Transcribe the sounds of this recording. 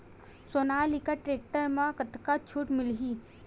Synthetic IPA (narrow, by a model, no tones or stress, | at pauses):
soːnaːlikaʈɾeːk̚ʈəɾmãkət̪kat͡ʃʰuːʈmɪlɦi